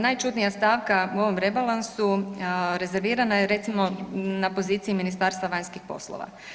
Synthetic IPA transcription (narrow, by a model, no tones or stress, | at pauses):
najt͡ʃut̪nijast̪aːʋkauo̞ʋo̞mɾe̞balˠansuɾe̞ze̞ɾʋiːɾanajeɾe̞t̪simo̞napo̞ziːt̪siiminist̪aːɾst̪ʋaʋaɲskixpo̞̰slˠo̰ʋa̰